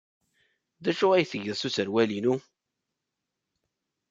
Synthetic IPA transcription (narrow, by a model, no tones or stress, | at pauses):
ðæʃʊʁæjθəʝəðsusəɾwælinu